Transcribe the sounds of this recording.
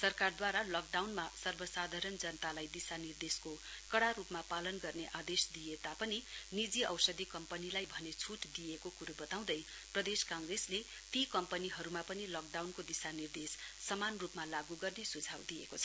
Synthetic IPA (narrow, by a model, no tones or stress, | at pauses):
sʌrkard̪waɾalʌk̚ɖawnmasʌrbʌsad̪ʱaɾʌnd͡zʌnʌt̪alajd̪isanird̪eskokʌɽarupmapalʌnɡʌrneʔad̪esd̪ijet̪apʌninid͡ziʌwsʌd̪ʱikʌmpʌnilajbʱʌnet͡sʰuʈd̪ijekokuɾubʌt̪aw̃d̪ʌj | prʌd̪eskãŋɡresle | t̪ikʌmpʌniɦʌɾumapʌnilʌk̚ɖawnkod̪isanird̪esːʌmanrupmalaɡuɡʌrnesud͡zʱawd̪ijḛkot͡sʰʌ